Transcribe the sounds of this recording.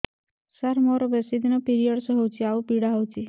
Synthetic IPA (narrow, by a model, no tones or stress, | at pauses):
saɾmɔɾɔbesid̪inɔpiɾijɔɽsɔɦɔwt͡ʃʰiaupiɽaɦowt͡ʃʰi